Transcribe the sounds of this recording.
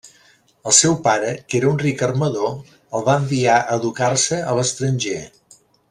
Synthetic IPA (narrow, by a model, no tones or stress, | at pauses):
əlˠsɛwpaɾəkeɾəunrikərməðo | əlˠβaəmbiaʔəðukarsəələst̪ɾənʲʒe